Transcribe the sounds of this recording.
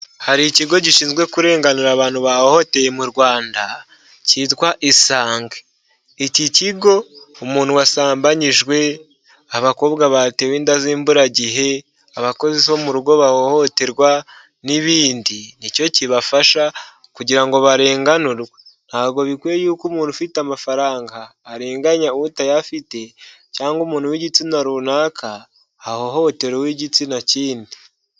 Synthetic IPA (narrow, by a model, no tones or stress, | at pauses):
haɾiciɡo̞ɟiʃiːnzwe̞kuɾe̞ːŋɡanuɾaːβaːn̥huβahoho̞te̞jemuɾwaːnda | ciːtwaʔisaːŋɡe̥ | iciciɡo̞umuːnhuwasaːmbaɲiʒɡwe̞ | aβako̞ːβɡaβate̞weːndaziːmbuɾaɟiɦe̞ | aβako̞zeso̞muɾuɡo̞βahohoteɾɡwa | niβiːndinico̞ciβafaʃa | kuɟiɾaŋɡo̞βaɾe̞ːŋɡanuɾɡwen̥haːβɡo̞βikwejuːkumuufitamafaɾaːŋɡaːɾe̞ːŋɡaɲautajafite̞ | caːŋɡumuːn̥huwiɟit͡sinaɾunaːkʰaː | hoho̞te̞ɾewiɟit͡sinaciːndi